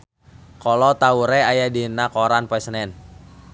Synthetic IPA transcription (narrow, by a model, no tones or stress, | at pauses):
kɔlɔt̪auɾɛajadinakɔɾanpɛsnɛn